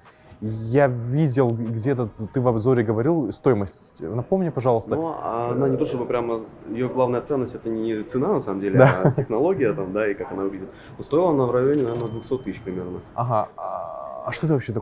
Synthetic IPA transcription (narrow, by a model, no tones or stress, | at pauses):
javʲidʲɪlˠɡdʲet̪̬ət̪ɨvɐbzo̞ɾʲɪɡəvɐɾʲilˠst̪ojɪməsʲtʲtʲnɐpo̞mnʲɪpɐʐɑlˠəsnəoa̰nanʲɪt̪oʂt̪obɨpɾʲamə | ɪjoɡlˠavnəjət̪sɛnːəsʲtʲɛt̪ənʲɪt̪sɨnanɐsaməmdʲelʲɪd̪aatʲɪxnɐlˠo̞ɡʲɪjət̪amd̪aikakɐnavʊvʲidʲɪt̪ | nost̪ojɪlˠənavɾɐjonʲɪnɐvʲenəd̪vʊxso̞t̪ːɨsʲɕpɾʲɪmʲe̞rnəɐɦaaɐʂt̪ot̪ɨvɐpɕːet̪ɐk